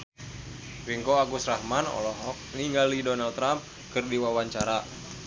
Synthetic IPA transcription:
ɾiŋkoaɡusrahmanɔ̰lɔɦɔk̚niŋɡalidɔnalt̪ɾamp̚ | kɨrdiwawaɲt͡ʃaɾa

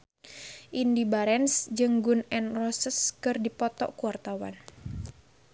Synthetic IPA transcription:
ʔindibaɾɛnsd͡ʒɨŋɡunɛnrɔsəskɨrdipɔt̪ɔ̰ʔkuwart̪awa̰n

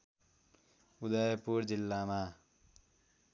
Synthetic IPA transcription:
ud̪ʌjpuɾd͡zilːama

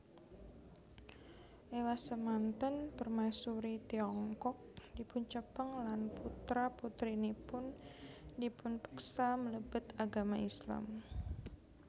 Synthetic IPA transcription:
ʔewasəmant̪ənpərmasuɾit̪iɔŋkɔk̚dipʊnt͡ʃəpəŋlanput̪ɾaput̪ɾinipʊndipʊnpə̥ksamələbʊt̪aɡamaisla̰m

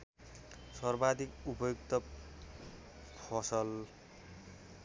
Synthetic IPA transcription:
sʌrbad̪ikupʌjok̚t̪ʌ | pʰʌsʌl

